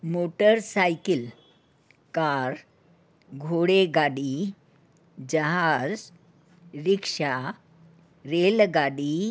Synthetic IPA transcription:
moʈəɾsajkil | kaɾ | ɡʱoɽeɡaɽi | d͡ʑəɦaad͡z | ɾikʂa | ɾelɡaɽi

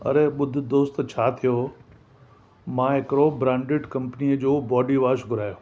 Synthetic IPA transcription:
ɐ̰ɾeɓʊd̪ʱʊ̆d̪oːst̪t͡ɕʰaːt̪ʰijo | mãːɦɪkɾobɾãːɳɖɪɖkɐ̃mpniəd͡ʑoːbɔːɖiʋaːʃɡʱʊɾaːjoː

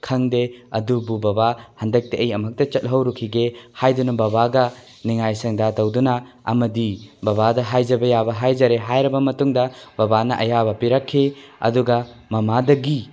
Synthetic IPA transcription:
kʰɐŋdeɐ̰dububɐbahɐndɐk̚teɐjɐmɐk̚tɐt͡ʃɐt̚ɦɐwɾukʰiɡehajdunɐbɐbaɡɐ | niŋajsɐŋdatɐwdunɐ | ɐ̰mɐdibɐbadɐɦajzɐbɐjabɐɦajzɐɾeɦajɾɐbɐmɐtuŋdɐbɐbanɐ̰ʔɐjabɐpiɾɐkʰːiɐ̰duɡɐmɐmadɐɡi

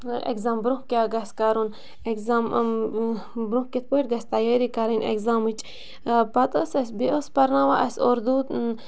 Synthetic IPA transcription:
ḛkzaːmbɾũhkʲaːɡɐskaɾun | ekzam | bɾũkit̪̚pojʈ̚ɡɐst̪ɐjeɾikɐɾinḛkzamɨt͡ʃ | pɐt̪osɐsʲbiʔospɐɾnaːʋaʔɐsoɾd̪uːt̪

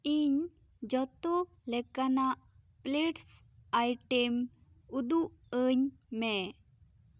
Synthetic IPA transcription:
iɲ | d͡ʒɔt̪ɔ | lɛkanaʔ | pleʈs | ajʈɛm | ud̪uʔəɲmɛ

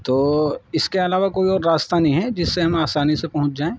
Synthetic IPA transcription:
t̪oːɪskeɐlaːʋakoːiɔːɾːaːst̪anɐɦĩɦɛd͡ʒɪsːeɦɐmaːsaːnisepɐɦʊ̃t͡ʃd͡ʒaːẽː

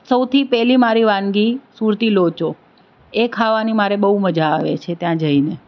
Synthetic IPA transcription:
səwt̪ʰipɛɦlimaɾiʋãnɡisuɾt̪ilot͡ʃo | ekʰaʋanimaɾebəɦuməd͡ʒaːʋḛt͡ʃʰet̪jãd͡ʒəine

